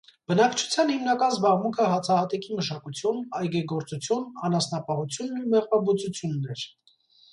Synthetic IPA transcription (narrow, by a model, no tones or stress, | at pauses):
b̥ənɑkt͡ʃʰu̥t͡sʰjɑnhimnɑkɑnzbɑʁmuŋkʰəɦɑt͡sʰɑhɑt̪ɛkiməʃɑkut͡sʰjunɑjɡɛɡɔɾt͡sut͡sʰjunɑnɑsnɑpɑhut͡sʰjunːumɛʁvɑbut͡sut͡sʰjunːɛɾ